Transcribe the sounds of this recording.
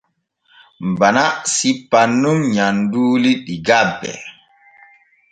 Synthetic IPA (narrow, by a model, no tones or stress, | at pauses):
mbanasipːanːumɲanduːliɗiɡabːɛ̰